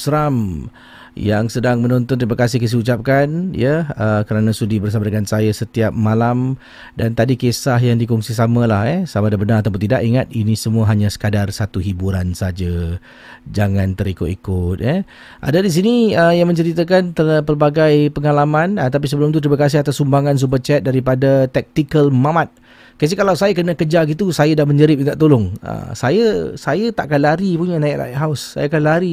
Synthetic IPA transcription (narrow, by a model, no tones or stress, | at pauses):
sɾam | jaŋsədaŋmənɔnt̪ɔnt̪ɾimakasɪhkəs̬iut͡ʃap̚kanjəəkəɾanãsudibərs̬amadəŋansajasət̪iap̚malam | dant̪adikesahjaŋdikɔŋsisamalahɛsamadabənaɾat̪awpʊnt̪ida̰ʔiŋat̪̚inĩsəmũəɦaɲãsə̥kadarsat̪uɦibuɾansad͡ʒa | d͡ʒaŋãnt̪əɾikʊt̪ikʊt̪̚jɛ | ʔa̰dadis̬iniəjaŋmə̃ɲt͡ʃəɾit̪akant̪əpərbaɡajpəŋalamãnət̪ap̬is̬əbəlʊmt̪ut̪ɾimakas̬ɪhat̪asːumbaŋans̬ubət͡ʃɛt̪̚daɾipadat̪ɛk̚t̪ikəlmamat̪̚ | kəs̬ikalawsajakənakəd͡ʒaɡit̪usajadahməɲd͡ʒəɾɪp̚it̪aʔt̪olʊŋə̰sajəsajət̪aʔkanlaɾipuɲanaɪʔla̰ʔɦaʊsːa̰jakanlaɾi